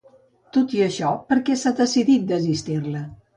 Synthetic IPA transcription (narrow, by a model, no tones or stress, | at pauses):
t̪ot̪iəʃɔpəɾkɛsad̪əsiðit̪̚d̪əzist̪irlə